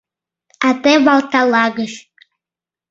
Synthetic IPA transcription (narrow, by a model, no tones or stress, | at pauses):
atʼebaltʰalaɡɨɬ